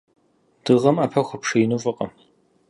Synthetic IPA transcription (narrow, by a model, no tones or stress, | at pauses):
d̥ɨʁɐmaːpʰɐxʷʊpʂejnufʼɨqʼɐ̰